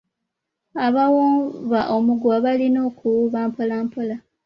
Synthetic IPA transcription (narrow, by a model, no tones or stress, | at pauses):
aβawoːβaʔo̞muɡwaβalino̞ːkuwuβaːmpolaːmpola